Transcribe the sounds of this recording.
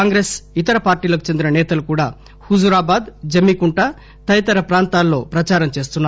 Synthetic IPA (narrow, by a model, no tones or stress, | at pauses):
aːŋɡɾeːsit̪ɐɾɐpaːɾʈiːlɐku̥t͡ʃend̪inɐnɛːt̪ɐlukuːɽa̰ː | hud͡ʒuɾaːbaːd̪d͡ʒɐmːikuɳʈɐ | t̪ɐjɐt̪ɐɾɐpɾaːnt̪aːlːo̞ːpɾɐt͡ʃaːɾɐmt͡ʃe̞ːst̪unːa